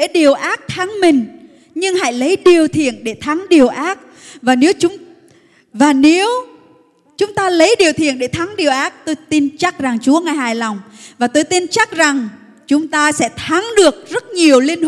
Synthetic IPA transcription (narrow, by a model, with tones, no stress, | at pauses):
ḛ˧˥ɗi˨˩əwʔaː˦˥t̚t̪ʰa˨˦ŋmï˨˩ŋ̟ | ɲɨ˧ŋɦa̰˧˥jlə˨˦jɗi˨˩əwt̪ʰḭ˧˨ənɗe˧˩t̪ʰa˨˦ŋɗi˨˩əwʔaː˦˥t̚ | vaː˨˩ne˨˦wt͡ɕʊ˨˦ŋ͡m | vaː˨˩ne˨˦w | t͡ɕʊ˨˦ŋ͡mt̪aː˧lə˨˦jɗi˨˩əwt̪ʰḭ˧˨ənɗe˧˩t̪ʰa˨˦ŋɗi˨˩əwʔaː˦˥t̚t̪o˧jt̪i˧nt͡ɕa˦˥k̚za˨˩ŋt͡ɕu˨˦əŋaː˨˩jhɦaː˨˩jla˨˩wŋ͡m | vaː˨˩t̪o˧jt̪i˧nt͡ɕa˦˥k̚za˨˩ŋ | t͡ɕʊ˨˦ŋ͡mt̪aː˧sɛ̰˧˥t̪ʰa˨˦ŋɗɨ˨˩ək̚zə˦˥t̚ɲi˨˩əwln˧